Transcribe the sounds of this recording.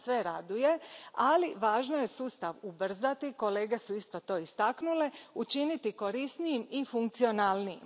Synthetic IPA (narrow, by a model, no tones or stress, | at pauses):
sʋe̞ɾad̪uje̞aliʋaːʒno̞je̞suːst̪aʋubr̩zat̪iko̞leːɡe̞suist̪o̞t̪o̞ːist̪aknule̞ut͡ʃinit̪iko̞ɾisnijimifuŋk̚t̪sio̞naːlniim